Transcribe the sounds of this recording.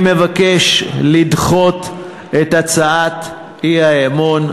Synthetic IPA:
me̞vakeʃlid̪χot̪ | et̪at͡saat | iaemon

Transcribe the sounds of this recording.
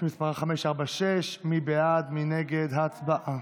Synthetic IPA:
mispaʁaχameʃaʁbaʃeʃmibead̪mineɡed̪ɦaːt͡sbaʔʔa

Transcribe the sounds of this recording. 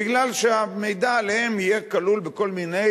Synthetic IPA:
iɡlalʃeamejd̪aːlehemijekalulbeko̞lmine̞

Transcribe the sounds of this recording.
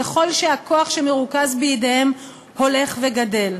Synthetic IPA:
eχo̞lʃeako̞aχʃemeʁukazbejedehem | ho̞le̞χveɡade̞l

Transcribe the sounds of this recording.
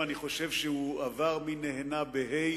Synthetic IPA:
aniχo̞ʃe̞vʃehuavaʁmineɦenabeɦe

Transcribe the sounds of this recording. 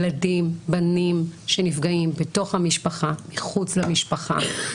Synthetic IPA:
ladimbanimʃenifɡaimbeto̞χhamiʃpaχamiχut͡slamiʃpaχa̰

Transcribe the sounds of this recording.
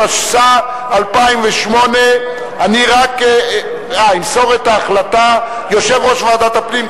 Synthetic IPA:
aʃsa | alpaimveʃmo̞ne | aniʁak | ajmso̞ʁet̪aːχlat̪a | jo̞ʃevʁo̞ʃvaad̪at̪apnim

